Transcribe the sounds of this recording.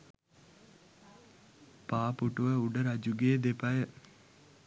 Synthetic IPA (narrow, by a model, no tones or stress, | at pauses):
paːpuʈuʋɐuɖɐɾɐd͡ʑuɡeːd̪epɐjə